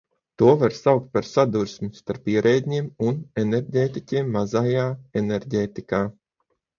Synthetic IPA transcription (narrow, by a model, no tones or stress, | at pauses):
t̪uɔvaɾsawk̚t̪̚paɾsad̪uɾsmist̪aɾpiɛɾʔɛːd̪ʲɲiɛmuneneɾɟʲeːt̪icʲiɛmːazajaːeneɾɟeːt̪ikaː